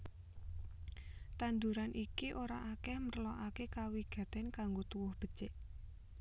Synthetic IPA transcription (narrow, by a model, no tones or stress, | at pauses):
t̪and̪uɾanʔikiʔoɾa̰ʔakɛhmərlɔʔakekawiɡ̥ä̤t̪ɛnkaŋɡot̪uwʊhb̥ə̤t͡ʃeʔ